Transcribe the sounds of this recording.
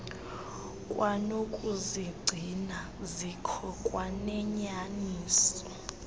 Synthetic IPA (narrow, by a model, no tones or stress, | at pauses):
kʼwanokʼuziɡ͡ǀʱina | zikʰɔkʼwanɛɲaniːsɔ̥